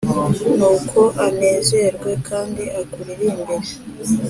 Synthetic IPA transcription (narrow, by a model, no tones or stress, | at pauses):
nuːkʰo̞ʔane̞ːze̞ɾɡwe̞kʰaːndiʔaɡuɾiɾiːmbeɾe